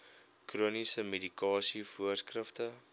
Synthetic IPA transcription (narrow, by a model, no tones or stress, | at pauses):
kruənisəmedikɑːsifuərskrəftə